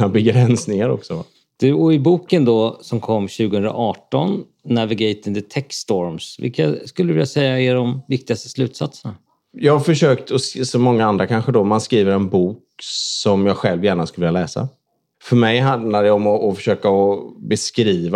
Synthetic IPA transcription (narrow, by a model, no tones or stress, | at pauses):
abɛɡɾɛnsnɪŋaɾɔ̰ksɔ | d̪̥ɵɔɪbuːkənd̪ɔsɔmkʰɔmːɕʉ̟ːɡəhɵnd̪ɾa̰ʔɑːʈɔnː | avɪɡɛjt̪ɪnd̪ət̪ʰɛkst̪ɔɾmsvɪ̰lkaskɵlːɾvɪlːasɛjːaeːɖɔmvɪk̚t̪ɪɡast̪ə̥slʉ̟ːt̪sat̪səɳa | jɑːɡafœʂøːkt̪ʰɔssɔmɔŋːaand̪ɾakʰanɧəd̪ɔmanskɾiːvəɾɛnbuːk | sɔmjɑːɡɧɛlvjæːɳaskɵləvɪlːjalɛːsa̰ | fœɾmɛjɦand̪laɖɛɔmɔʔːfœ̥ʂøːkaɔbɛskɾiːva